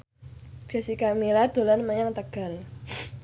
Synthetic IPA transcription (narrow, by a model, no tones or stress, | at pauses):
ɡ̥a̤sikamilad̪̥o̤lanmaɲaŋt̪əɡ̥a̤l